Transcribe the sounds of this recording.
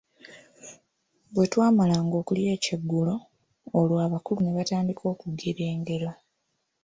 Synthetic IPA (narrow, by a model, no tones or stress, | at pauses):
bwe̞twaːmalaːŋɡo̞ːkulie̞ːceɡːulo̞ː | lwaβakulune̞βataːndikʰo̞ːkuɡeɾe̞ːŋɡe̞ɾo̞